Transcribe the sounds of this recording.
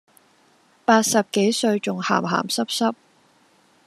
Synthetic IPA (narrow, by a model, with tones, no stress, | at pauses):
paː˧t̚sɐ˨p̚ke˨˥jsɵ˧ɥt͡sʊ˨ŋha̰ː˨˩mɦa̰ː˨˩msɐ˥p̚sɐ˥p̚